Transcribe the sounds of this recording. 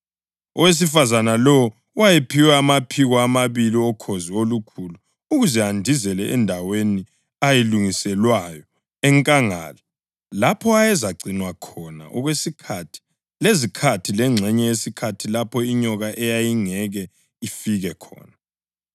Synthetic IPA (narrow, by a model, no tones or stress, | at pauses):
ɔ̰wes̬ifazanalɔ | wajepʰiwɛːmapʰiɣaːmaβiliɔkʰoziolukʰulu | uɣuzɛandʱizɛlɛʔɛndʱaweni | ajeluŋisɛlwajɔ | ɛŋkʼaŋa̰ːla | lapʰɔajɛzaǀinwakʰɔna̰ʔɔɣwesikʰatʰi̥ | lezikʰatʰilɛŋ͡ǁʱɛɲɛjesikʰatʰilapʰɔiɲɔɣaʔɛjajiŋɛɣɛ | ifiɣɛkʰɔ̰ːna